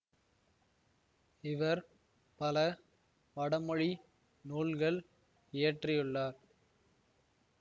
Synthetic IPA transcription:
ɪʋɐɾ | pɐlɐ | pɐɽɐmɔɻi | nuːlɡɐɭ | eːɐʈrɪjɯɭːaːɾ

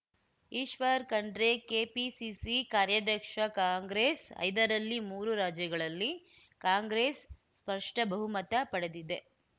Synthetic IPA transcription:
iːʃʋɐɾkɐɳɖɾekeːpisisikaːɾjɐd̪ʱɐkʂɐkaːŋɡɾeːsɐ̰jd̪ɐɾɐlːimuːɾuɾaːd͡ʒjɐɡɐɭɐlːi | kaːŋɡɾeːsː | pɐɾʂʈɐbɐɦumɐt̪ɐpɐɽed̪id̪e̞

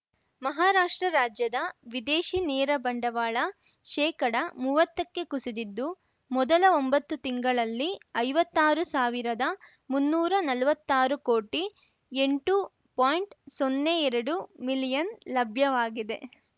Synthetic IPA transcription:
mɐɦaːɾaːʂʈɾɐɾaːd͡ʒjɐd̪ɐʋid̪eːʃinɛːɾɐbɐɳɖɐʋaːɭɐ | ʃɛːkɐɽɐmuːʋɐt̪ːɐkːe̞kusid̪id̪ːu | mɔd̪ɐlɐombɐt̪ːut̪iŋɡɐɭɐlːiɐjʋɐt̪ːaːɾusaːʋiɾɐd̪ɐ | munːuːɾɐnɐlʋɐt̪ːaːɾukoːʈi | e̞ɳʈu | paːjɳʈsonːeɛɾɐɽumilijɐnlɐbʱjɐʋaːɡid̪e̞

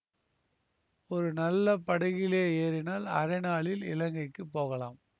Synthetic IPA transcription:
ɔɾɯnɐlːɐpɐɽɐɣɪleːeːɾɪnaːlɐ̰ɾɐɪnaːɭɪlɪ̰lɐŋɡɐɪkːɯpːoːɣɐla̰ːm

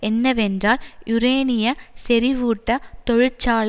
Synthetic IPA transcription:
ɛnːɐʋɛndraːlʔʊɾeːnɪjɐsɛɾɪʋuːʈːɐt̪ɔɻɯt͡ʃaːɭ

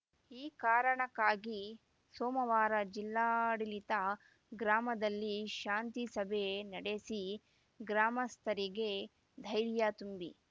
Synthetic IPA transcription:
iːkaːɾɐɳɐkːaːɡi | soːmɐʋaːɾɐd͡ʒilːaːɽilit̪ɐ | ɡɾaːmɐd̪ɐlːiʃaːnt̪isɐbʱenɐɽesi | ɡɾaːmɐst̪ʰɐɾiɡe | d̪ʱɐjɾjat̪umbi

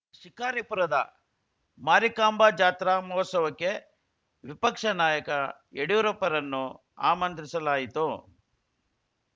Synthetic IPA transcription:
ʃikaːɾipuɾɐd̪ɐ̰ | maːɾikaːmbaːd͡ʒaːt̪ɾaːmɔsɐʋɐkːe̞ | ʋipɐkʂɐnaːjɐkɐ | eɽiʋuɾɐpːɐɾɐnːu | a̰ːmɐnt̪ɾisɐlaːjit̪u

